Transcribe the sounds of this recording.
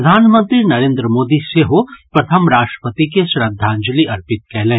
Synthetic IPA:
d̪ʱaːnmə̃nt̪ɾinɐɾẽːnd̪ɾəmoːd̪iseɦopɾɐt̪ʰəmɾaːʃʈɾə̥pət̪ikeʃɾɐd̪ʱːãːɲd͡ʒəliɐɾpɪt̪̚kɛɦlẽː

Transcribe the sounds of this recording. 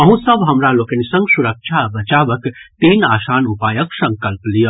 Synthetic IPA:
ɐɦũsəbɦɐmɾaloːkənisɐ̃ŋɡsuɾək̚ʃʰabɐt͡ʃaːʋəkt̪enaːsaːnupaːjəksɐ̃ŋkəlplijə

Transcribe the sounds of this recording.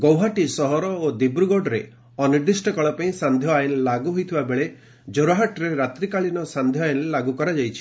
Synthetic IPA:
ɡɔwɦaʈisɔɦɔɾɔod̪ibɾuɡoɖɾe | ɔniɾd̪isʈɔkɔɭɔpaĩsand̪ʱjɔajelːaɡuɦojt̪ʰibabeɭe | d͡ʒoɾaɦaʈɾeɾat̪ɾikaɭinɔsand̪ʱjɔajlːaɡukɔɾad͡ʒajt͡ʃʰi̥

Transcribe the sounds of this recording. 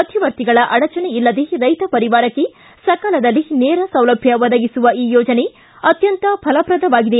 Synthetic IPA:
ɐd̪ʱjiʋɐɾt̪iɡɐɭɐʔɐɽɐt͡ʃɐneilːɐd̪eɾɐjt̪ɐpɐɾiʋaːɾɐkːe | sɐkɐlɐd̪ɐlːineːɾɐsɐwlɐbʱjɐʋɐd̪ɐɡisuʋɐiːjɔːd͡ʒɐne̞ | ɐt̪jɐnt̪ɐpʰɐlɐpɾɐd̪ɐʋaːɡid̪e

